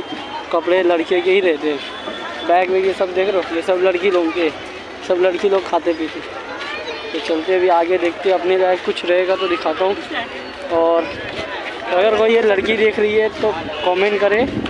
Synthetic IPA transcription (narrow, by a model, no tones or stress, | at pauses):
kɐpɽelɐɽkjekeɦiɾɛɦt̪eɦɛ̃ː | bɛ̃ːkmejesɐbd̪eːkʰɾoːjesɐblɐɽkiloːɡkeɦɛ | sɐblɐɽkiloːɡ̚kʰaːt̪ep̬iːt̪ʰe | t̪ot͡ʃɐlt̪ebʱiaːɡed̪eːk̚ʰt̪eɛɐpnebɛ̃ːkkːʊt͡ʃʰɾɐɦeːɡat̪od̪ɪkʰaːt̪aɦõː | ɔːɾ | koːjɔːɾkoijelɐɽkid̪eːkʰɾɐɦiɛt̪o | kɔːmẽɳʈkɐɾẽː